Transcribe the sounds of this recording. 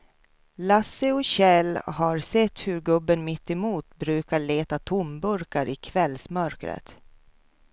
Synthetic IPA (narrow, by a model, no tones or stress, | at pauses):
lasəɔɕɛlːɦaɾsɛt̪ːhɵɾɡɵbːənmɪt̪ːɛmuːt̪bɾʉ̟ːkaɭeːt̪at̪ʰʊmbɵɾkaɾɪkʰvɛlsmœɾkɾə̰t̪